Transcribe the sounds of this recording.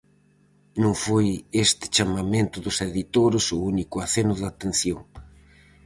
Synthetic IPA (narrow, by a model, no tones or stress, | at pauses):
nũŋfojest̪ɪ̥t͡ʃamamẽnt̪ʊðʊseðit̪oɾʊsʊunikʊaθenʊðat̪en̟θjoŋ